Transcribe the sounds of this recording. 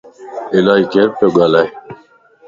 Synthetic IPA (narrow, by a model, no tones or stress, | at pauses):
ilaːikeɾpoːɡaːlaːj